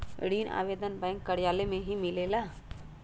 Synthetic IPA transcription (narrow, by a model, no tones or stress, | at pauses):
ɽiːna̰ːʋeːd̪ənbɛ̃ːŋkːəɽjaːlemẽɦimɪleːlaː